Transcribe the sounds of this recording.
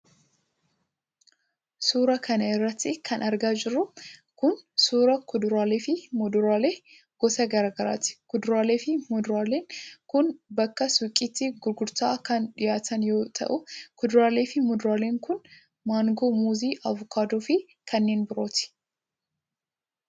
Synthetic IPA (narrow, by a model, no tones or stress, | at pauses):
suːɾɐkɐnɐɪrːɐt̪ːɪkʰɐnʔɐɾɡaːd͡ʒɪrːʊkʊnsuːɾɐkʊd̪ʊɾaːleːfɪmɔd̪ʊɾaːle̞ː | ɡ̥ɔsɐɡɐɾaːɡɐɾa̰ːt̪ɪ̥kʊd̪ʊɾaːle̞ːfɪmɔd̪ʊɾaːleːŋkʊnbɐkːɐsʊkʼːɪt̪ːɪɡʊɾɡʊɾt̪aːkɐnᶑɪjaːt̪ʰɐnjo̞ːt̪ʰɐ̰ʔʊkʊd̪ʊɾaːle̞ːfɪmɔd̪ʊɾaːle̞ːŋkʊn | maːŋɡoːmuːziːʔɐvʊkʰaːd̪oːfɪ | kʰɐnːe̞ːnbɪɾo̞ːt̪ɪ̥